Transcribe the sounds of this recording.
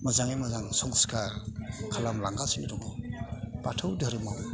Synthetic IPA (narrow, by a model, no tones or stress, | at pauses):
mazaŋemazaŋsɔŋskakʰalamlaŋɡasinidɔŋɔpatʰɯwdəɾɯmaw